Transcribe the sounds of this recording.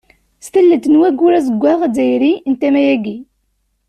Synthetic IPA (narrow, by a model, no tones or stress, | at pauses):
st̪əlːəd̪nwæɡuɾæzəɡʷːæʁd̪æjɾint̪æmæjæɡi